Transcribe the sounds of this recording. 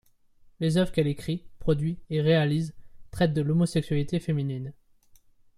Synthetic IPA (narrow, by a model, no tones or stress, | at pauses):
lezœvʁəkɛlekχipχɔd̪ɥieʁealizt̪χɛt̪̚d̪əlomɔsɛksɥalit̪efeminin